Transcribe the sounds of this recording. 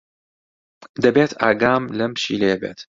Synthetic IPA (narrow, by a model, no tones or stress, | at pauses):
d̪ɐbeːt̪ʰaːɡaːmlɐmʃḭːlejɛbḛːt̪